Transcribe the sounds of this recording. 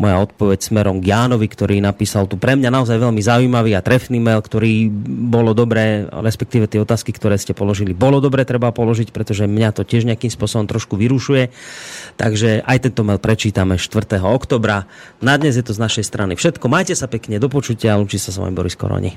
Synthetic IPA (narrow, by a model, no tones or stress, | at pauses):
mɔjaɔt̪̚pɔʋɛcsmɛɾɔmɡjaːnɔʋikt̪ɔɾiːnapiːsalt̪upɾɛmɲanaɔzajʋɛʎmizaujmaʋiːat̪ɾɛfniːmɛlkt̪ɔɾiːbɔlɔd̪ɔbɾɛ̰ːɾɛspɛk̚t̪iːʋɛt̪ɪɛɔt̪aːskikt̪ɔɾɛːscɛpɔlɔʒilibɔlɔd̪ɔbɾɛːt̪ɾɛbapɔlɔʒicpɾɛt̪ɔʒɛmɲat̪ɔcɪɛʒɲɪakiːmspʊɔsɔbɔmt̪ɾɔʃkuʋiɾuʃujɛt̪aɡʒɛʔajt̪ɛnt̪ɔmɛlpɾɛt͡ʃiːt̪amɛʃt̪ʋr̩t̪ɛɦɔɔkt̪ɔːbɾa | nad̪ɲɛzjɛt̪ɔznaʃɛjst̪ɾʔanifʃɛt̪kɔmaːjcɛsapɛkɲɛd̪ɔpɔt͡ʃucɪaaluːt͡ʃicɛsasʋɔ̰jimbɔ̰ɾiskɔ̰ɾɔ̰ɲḭ